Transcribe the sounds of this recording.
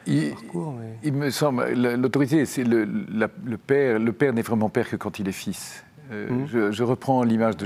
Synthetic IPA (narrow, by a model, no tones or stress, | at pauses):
ikilməsɑ̃bl̰ləlot̪ɔʁit̪esɛləlaləpɛʁləpɛʁnɛvʁɛmɑ̃pɛʁkəkɑ̃t̪ilɛfis | ø̰ʒəʒəʁəpχɑ̃limaʒd̪ə